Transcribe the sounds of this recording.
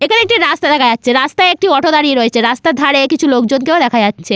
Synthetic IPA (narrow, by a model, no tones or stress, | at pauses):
ekʰaneek̚ʈiɾast̪ad̪ɛkʰaatːɕʰeɾast̪aeek̚ʈiɔʈʰod̪aɾieɾoet͡ɕʰeɾast̪ad̪ʱaɾekit͡ɕʰulok̚d͡ʑonkeod̪ɛkʰad͡ʑatːɕʰe